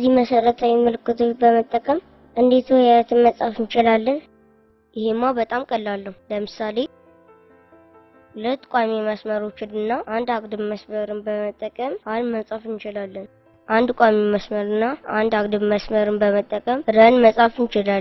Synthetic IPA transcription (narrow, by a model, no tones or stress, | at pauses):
ziməsəɾət̪ʰawiməlɨkːɨt̪ʰobəmət̪ʼːəkʼəm | ʔɨnd̪et̪ʰojaət̪ʰɨnməsʼafɨnt͡ʃɪlalːən | jɪhemːawbət̪ʼamkʼəlːalːəhuləmɨsale̞ | lət̪ʼkʷʼameməsməɾo̞t͡ʃːɪnɨnːaʔand̪akʼd̪ɨβməsməɾɨnbəmət̪ʼːəkʼəmanməsʼafɨnt͡ʃɪlalːən | ʔand̪kʷʼameməsməɾɨnːaand̪akd̪ɨβməsməɾɨnbəmət̪ʼːəkʼəmɾənməsʼafɨnt͡ʃɪlal